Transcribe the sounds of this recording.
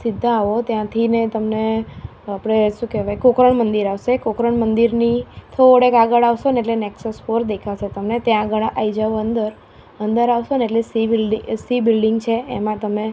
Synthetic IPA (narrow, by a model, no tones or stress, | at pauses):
sɪd̪ʱːaːʋot̪jãt̪ʰinet̪əmne | apɽ̃eʃũkeʋajkokɾəɳmənd̪iɾaʋsekokɾəɳmənd̪iɾnit̪ʰoɽekaɡəɭaʋʃoneeʈlenɛksəsfoɾd̪ekʰaʃet̪əmnet̪jãːɡəɭʔaid͡ʒaʋoənd̪əɾ | ənd̪əɾaʋʃoneʈlesibilɖisibilɖiŋɡt͡ʃʰeːmãt̪əme